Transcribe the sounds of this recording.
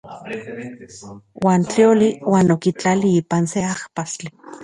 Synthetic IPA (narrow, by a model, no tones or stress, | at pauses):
waːnt͡ɬioliwaːnokit͡ɬaliiːpanseahpast͡ɬi